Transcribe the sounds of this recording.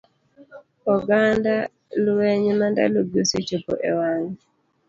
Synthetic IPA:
ɔɡanda | lwɛɲemanda̰loɡjoset͡ʃopo̰ʔewaŋ

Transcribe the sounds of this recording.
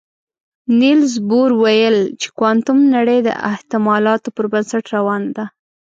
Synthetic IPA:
nilzboɾwajəlt͡ʃe̥kwɑnt̪ʊmnaɽəjd̪ə̰ʔɪ̰ht̪ɪmɑlɑt̪opəɾbansaʈɾawɑnad̪a

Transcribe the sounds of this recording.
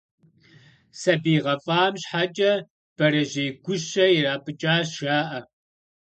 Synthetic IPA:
sɐbiːʁɐfʼaːmɕħat͡ʃʼɐ | b̥ɐɾɐʒeːɡʷʊʃɐjiraːpʼɨt͡ʃʼaːɕaːʔɐ

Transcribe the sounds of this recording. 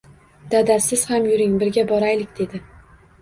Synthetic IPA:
d̪̥ad̪asɪz̥hamjʊɾɪŋbɪɾɡʲabɒɾajlɪkʲd̪̥e̞d̪ɪ

